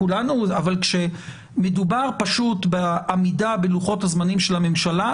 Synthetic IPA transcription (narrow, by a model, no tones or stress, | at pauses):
ulanuavalkʃe̞ | medubaʁpaʃutbeamidabeluχo̞thazmanimʃelame̞mʃala